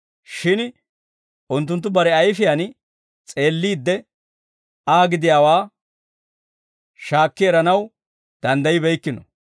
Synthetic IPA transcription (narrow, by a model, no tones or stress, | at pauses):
ʃɪn | ʔʊnt̪̬ːʊnt̪̬ːʊbɐɾɛɐjfɪjan | t͡sʼe̞ːlːiːd̪ːɛ | aːɡɪd̪ɪjaːwaː | ʃaːkːɪɛɾɐnɐw | d̪̥ɐnd̪ɐjɪbɛjkːɪnɔ